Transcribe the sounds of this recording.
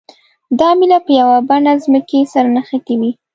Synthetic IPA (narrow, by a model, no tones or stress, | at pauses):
d̪ɑmilapəjawabanazməkesaɾanaxakawi